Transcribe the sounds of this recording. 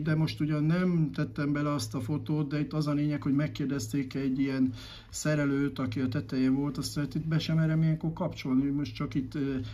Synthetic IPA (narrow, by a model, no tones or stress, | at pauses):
d̪ɛmo̞ʃt̪uɟɒnːɛmt̪ɛt̪ːɛmbɛlɛɒst̪ɒfo̞t̪oːt̪̚d̪ɛit̪ːɒzɒleːɲɛkho̞ɟmɛkːeːrd̪ɛst̪eːkɛɟːijɛn | sɛɾɛløːt̪ɒkiɒt̪ɛt̪ɛjɛvo̞lt̪ɒst̪ɛɛt̪it̪̚bɛʃɛmɛɾɛmijɛŋko̞rkɒpt͡ʃo̞lniomo̞ʃtt͡ʃɒkit̪ː